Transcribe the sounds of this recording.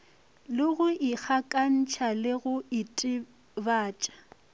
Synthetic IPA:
lɪɣʊɪk͡xʰakʼan̩t͡ʃʰalɪɣʊɪtʼɪ | baːt͡ʃʼḁ

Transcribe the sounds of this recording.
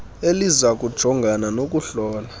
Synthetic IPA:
elizak̬ʼud̥ʒ̥ʱɔŋɡʱananok̬ʼuɬɔːla

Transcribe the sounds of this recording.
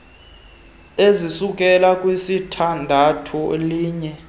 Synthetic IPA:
ezisukʼɛlakʼwisitʰandʱatʰuliːɲɛ

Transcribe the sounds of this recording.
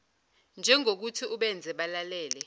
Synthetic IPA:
nd͡ʒʱɛŋʱok̬utʰiʔuɓɛnd͡zʱɛɓalalɛːlɛ

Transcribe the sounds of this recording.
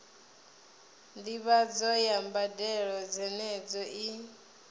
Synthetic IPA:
ndiβad͡zɔjambadɛɺɔd͡zɛnɛd͡zɔʔi

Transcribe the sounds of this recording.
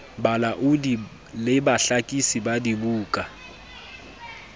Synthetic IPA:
balaʔudi | lɪbaɬakʼisibadibuːkʼa

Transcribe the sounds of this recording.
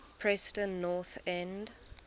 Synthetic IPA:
pʰɹɛstə̃nːɔθɛ̃nd

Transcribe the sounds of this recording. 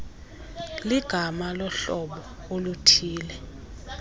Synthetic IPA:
liɡ̥ʱamalɔɬɔɓɔ | olutʰiːlɛ

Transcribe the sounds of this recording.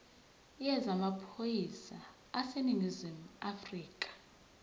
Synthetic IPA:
jɛzamapʰojisa | aseniŋizimuafriːkʼḁ

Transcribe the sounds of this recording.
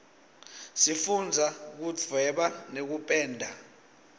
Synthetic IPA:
sifund͡zʱak̬ud͡zʱwɛɓanek̬upʼɛːndʱa

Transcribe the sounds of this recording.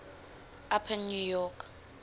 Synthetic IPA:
apʰɛnnujɔkʰ

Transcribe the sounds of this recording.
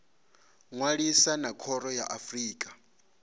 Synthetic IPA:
ŋwaɺisanakʰɔɾɔjaʔafriːkʼḁ

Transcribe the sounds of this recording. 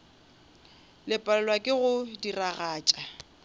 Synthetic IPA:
lɪpʼalɛlwakʼɪɣʊdiraɣaːt͡ʃʼa

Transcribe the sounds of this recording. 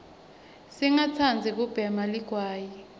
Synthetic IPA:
siŋat͡sʰand͡zʱik̬ub̥ʱɛmaliɡ̥ʱwaːji

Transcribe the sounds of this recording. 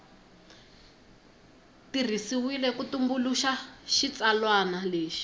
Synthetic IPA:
tir̤isiwilɛkutumbuluʃaʃit͡salwanaleːʃi̥

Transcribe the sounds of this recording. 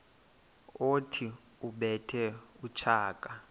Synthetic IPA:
otʰi | uɓɛtʰɛut͡ʃʰaːkʼa

